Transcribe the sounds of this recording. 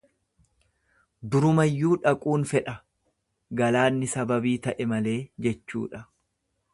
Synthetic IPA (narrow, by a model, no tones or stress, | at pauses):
d̪ʊɾʊmɐjːuːᶑɐkʼuːnfɛᶑɐ | ɡɐlaːnːɪsɐbɐbiːt̪ɐʔɛmɐle̞ːd͡ʒɛt͡ʃːṵːᶑɐ